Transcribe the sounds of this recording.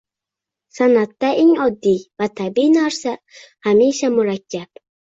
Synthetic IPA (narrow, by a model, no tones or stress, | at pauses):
sanad̪ːaʔiŋɒd̪ːivat̪ʰabinaɾsa | hamiʃamʊɾakʰːab̥